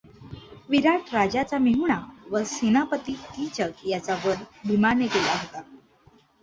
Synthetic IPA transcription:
ʋiɾaʈɾad͡ʑat͡samiɦuɳaʋəsinapət̪iːt̪it͡ɕək̚jat͡saʋəɾbʱimanekelaɦot̪a

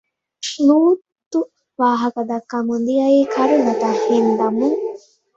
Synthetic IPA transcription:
sluːt̪ːu | ʋaːɦɐkɐd̪ɐkːɐmund̪ijɐiːkʰɐɾunɐt̪ɐhːend̪ɐmuŋ

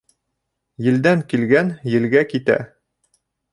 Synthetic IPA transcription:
jɘ̆ld̪æŋkilɡænjɘ̆lɡækit̪æ̰

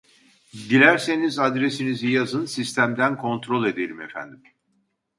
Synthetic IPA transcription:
d̪ilʲæɾse̞nizad̪ɾe̞sinizijazɯnsist̪ʰæmd̪ænkʰo̞nt̪ɾo̞lˠe̞d̪elʲimefæ̰nd̪im

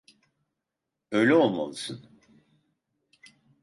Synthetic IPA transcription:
øjlʲɛolˠma̰lˠɯsɯn

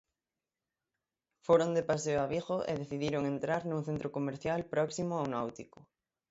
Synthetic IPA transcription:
foɾond̪epas̬eoaβexoʔḛðeθiðjiɾoŋẽnt̪ɾaɾnũŋθent̪ɾokomeɾθjalpɾɔksimoawnawt̪ikʊ

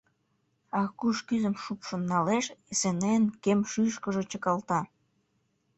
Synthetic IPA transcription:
ɑkuʃkyzəmʃupʃonːɑleʃesenenkemʃyʃkəʒet͡ɕəkɑlt̪ɑ

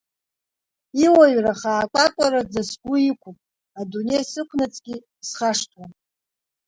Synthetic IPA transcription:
iwaɥraχaːkʷʼakʷʼaɾad͡zasɡʷʊikʷʰupʼ | adune̞jsɨkʷʰnat͡sʼɡʲi | sχaʂtʰʼwan

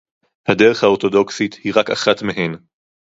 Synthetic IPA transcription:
hadeʁeχhao̞ʁt̪o̞do̞ksithiʁakaχatmeɦe̞n

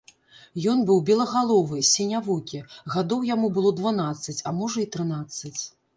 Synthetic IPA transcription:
jɔnbɨwbʲɛlˠɐɣalˠɔvɨsʲɛnʲavukʲiɣad̪ɔwjamubɨlˠɔd̪vanat̪sːɐt͡sʲamɔʐɐit̪ɾɨnat̪sːɐt͡sʲ

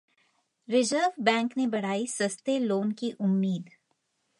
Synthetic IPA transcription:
ɾɪzəɾʋbɛ̃ːŋknebɐɽ̤aːisɐst̪eloːnkiʔʊmːiːd̪

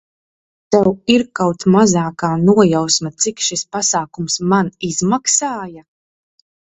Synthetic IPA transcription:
t̪ɛwiɾkawt̪mazaːkaːnuɔjawsmat̪sikʃispasaːkumsmaniz̥maksaːja

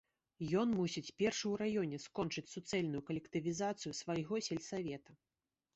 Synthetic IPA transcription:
jɔnmusʲit͡sʲpʲɛrʂɨwɾajɔnʲɛskɔnt͡ʂɨt͡sʲsut̪sɛlʲnujukɐlʲɛkt̪ɨvʲizat̪sɨjusvajɣɔsʲɛlʲsavʲɛt̪ɐ

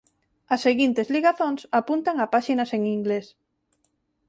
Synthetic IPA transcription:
ɐsːeɣint̪ezliɣaθoŋsapunt̪aŋapaʃinɐseŋiŋɡles

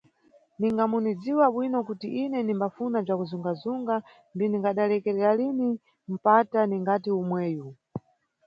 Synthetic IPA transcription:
niŋɡamunid͡ziwaɓwinɔkutiʔinɛnimbafunab͡ʐakuzuŋɡazuŋɡa | nbiniŋɡaɗalɛkɛɾɛɾalini | m̩pataniŋɡatiumwɛːju

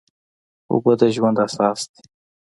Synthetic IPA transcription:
ʊ̰bəd̪əʒwand̪asɑsd̪

